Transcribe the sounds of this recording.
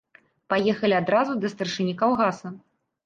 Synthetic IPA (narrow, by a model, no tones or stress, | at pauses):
pajɛxɐlʲiad̪ɾazud̪ɐst̪ɐrʂɨnʲikawɣasɐ